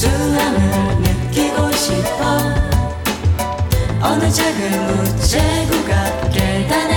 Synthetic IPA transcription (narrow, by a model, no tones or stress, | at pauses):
sunamɯnɯt̚k͈iɡoɕip̚ʰʌ | ʌnɯd͡ʑʰaɡɯmut͡ɕʰeɡuɡa | ked̪aɾ